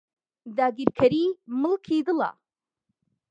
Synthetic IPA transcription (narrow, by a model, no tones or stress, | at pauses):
d̪aːɡiɾkʰɐɾiːmɨlkʰid̪ɨla̰